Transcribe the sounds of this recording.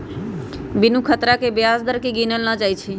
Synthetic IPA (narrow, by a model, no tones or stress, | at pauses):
bɪnũkʰət̪ɾakebjaːsd̪əɾkeɡinəlnad͡ʒaːit͡ʃʰi